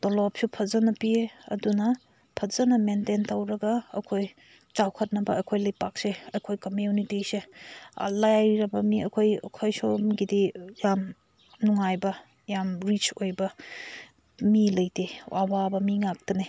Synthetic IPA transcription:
d̥olɔp̚sipʰɐzɐnɐpieɐ̰dunɐ | pʰɐzɐnɐmententɐwɾɐɡɐ̰ːkʰoj | t͡ʃawkʰɐt̚nɐbɐɐ̰jkʰojlɐjpak̚seɐjkʰojkɐmjunitisḛ | lajajɾɐbɐmiɐ̰kʰoj̰kʰojsomɡidijam | nuŋajbɐ | jamɾit͡ʃojbɐ | milɐjtewʔa̰wabɐmiŋak̚tɐne

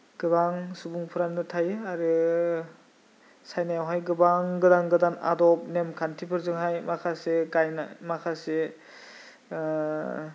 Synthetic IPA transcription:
ɡ̥ɯbaŋsubuŋpʰɯɾanːɯtʰajaɾɯ | sajnajawɦajɡɯbaŋɡɯdaŋɡɯdana̰dɔp̚nemkʰantʰipʰɯɾzɯŋɦajmakʰaseɡajnamakʰase

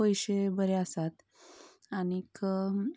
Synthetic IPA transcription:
əjɕebəɾeəsat̪ | añikə

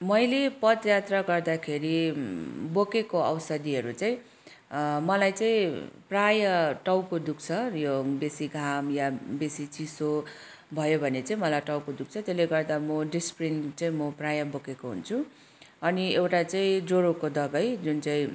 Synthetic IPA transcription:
mʌjlepʌd̪jat̪raɡʌrd̪akʰeɾi | bokekoʌwsʌd̪iɦʌɾut͡saĩ | mʌlajt͡saĩprajʌʈʌwkod̪uk̚t͡sʰʌjobesiɡʱamjabesit͡siso | bʱʌjobʱʌnet͡saĩmʌlajʈʌwkod̪uk̚t͡sʰʌt̪eleɡʌrd̪amʌɖisprinʈt͡saĩmʌprajʌbokekoɦṵnt͡sʰu | ʌniewʈat͡saĩd͡zoɾokod̪ʌɡʌjd͡zunt͡saĩ

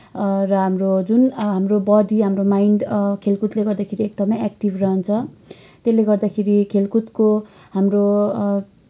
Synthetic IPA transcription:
rʌɦamrod͡zunɦamrobʌd̪iɦamromajiɳɖkʰelkut̪leɡʌrd̪akʰeɾiek̚d̪ʌmʌjak̚ʈibrʌɦʌnt͡sʰʌ | t̪elːeɡʌrd̪akʰeɾikʰelkut̪ko | ɦamro

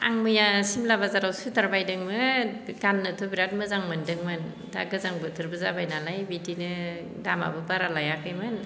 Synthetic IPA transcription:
a̰ŋmɯjasimlabazaɾawsutʰaɾbajdɯŋmɯɡanːɯtʰɔbiɾat̚mɯzaŋmɯndɯŋmɯn | da̰ɡɯzaŋbɯtʰɯɾbɯzabajnalajbitinɯ | dama̰bɯbaɾalajakɯjmɯn

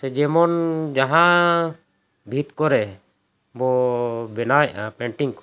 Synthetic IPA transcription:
sɛd͡ʒɛmɔnd͡ʒaɦã | bʱit̪kɔɾɛ | bɔbɛnajʔapɛɳʈiŋkɔ̥

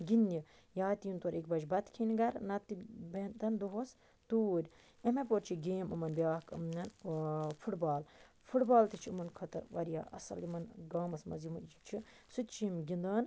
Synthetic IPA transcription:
ɡinːi | jaːt̪ijint̪oɾikbɐd͡ʒbɐt̪kʰinʲɡɐɾnɐt̪ːibent̪ɐnd̪oɦos | t̪uːɾʲ | emep̬oɾt͡ʃʰiɡeːmɐmɐnbʲjaːkɨ̰mnʲɐnfʰuʈbaːl | fʰuʈbaːlt̪it͡ʃʰiɨmɐnkʰɐt̪ɐ̰ɾʋɐɾja̰ːʔɐ̰sɐ̰limɐnɡaːmɐsmɐ̰zjimɐnt͡ʃit͡ʃʰi | sut̪t͡ʃimɡind̪ɐːn

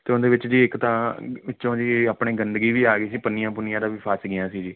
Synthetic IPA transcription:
t̪eːʊnd̪eːʋɪt͡ʃd͡ʒiːɪkt̪ãːʋɪt͡ʃõːd͡ʒiːaːpɳeːɡənd̪ɡiːʋiːaːɡəiːsiːpənɪjãːpʊnɪjãːd̪ãːʋiːpʰaːsɡɪjãːsiːd͡ʒiː

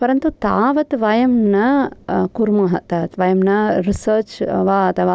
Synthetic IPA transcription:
pɐɾɐnt̪ut̪aːʋɐt̪ʋɐjɐmnɐkuɾmɐɦɐ̰t̪aːt̪ʋɐjɐmnɐɾisɐːt͡ʃʋaːɐt̪ʰɐʋaː

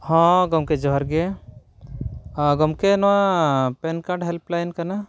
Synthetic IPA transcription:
hɔ̃ɡɔmked͡ʒɔɦɔɾɡe | ɡɔmkenɔwapɛnkaɾɖɦɛlplajnkana

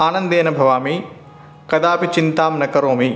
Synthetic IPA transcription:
aːnɐnd̪eːnɐbʱɐʋaːmi | kɐd̪aːpit͡ʃint̪aːmnɐkɐɾoːmi

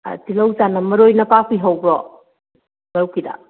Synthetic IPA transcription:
tilowzanɐmɐɾojnɐpapʰiɦawbɾɔ | bawkida̰

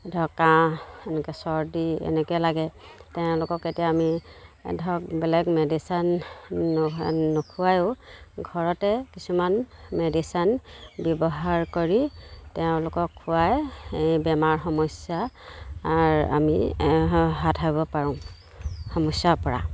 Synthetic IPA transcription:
dʱɔkːãɛnɛkɛsɔɹdiɛ̰nɛkɛlaɡɛtɛʊ̃lʊkɔketijaːmidʱɔk̚bɛlɛɡmɛdisanː | ɔkʰuwajʊɡʱɔɹɔtɛkisumanmɛdisanbjɔbɔɦaɹkɔɹitɛʊ̃lʊkɔkʰːuwajejbɛmaɹxɔmɔsjaː | ɹa̰mi | ɦatʰaibɔpaɹũm | hɔmɔsjapɔɹa̰

